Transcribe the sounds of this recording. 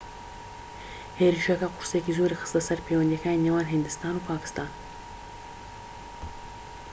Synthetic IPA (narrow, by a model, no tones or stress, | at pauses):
heɾiʃakaqʊɾsekizoɾexə̥st̪asaɾpewand̪akainiwɑːnɦɪnd̪ɪst̪ɑːnowpɑːkɪ̥st̪ɑːn